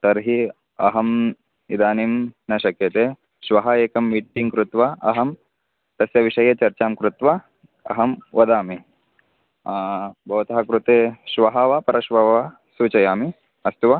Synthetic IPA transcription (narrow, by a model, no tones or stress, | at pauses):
t̪ɐɾɦi | ɐɦɐm | id̪aːnimnɐʃɐkjɐt̪eː | ʃʋɐɦɐjeːkɐmʋiːʈʈːiŋkɾut̪ʋɐɐɦɐm | t̪ɐsjɐʋiʂɐjɐt͡ʃɐɾt͡ʃaːmkɾut̪ʋɐ | ɐ̰ɦɐmʋɐd̪aːmi | bʱɐʋɐt̪ɐɦɐkɾut̪eːʃʋɐɦɐʋɐpɐɾɐʃʋɐʋɐ | suːt͡ʃɐjaːmi | ɐst̪uʋɐ